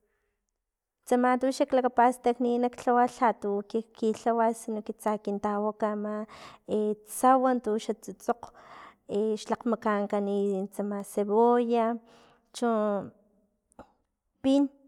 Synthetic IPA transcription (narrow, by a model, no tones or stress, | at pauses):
t͡samat̪uʃaklakapast̪akninakɬawaɬat̪ukikiɬawasinokit͡sakint̪awakamaet͡sawant̪uʃat͡sut͡soq | eʃlaqmakaŋkanit͡samaseβoja | t͡ʃu | pin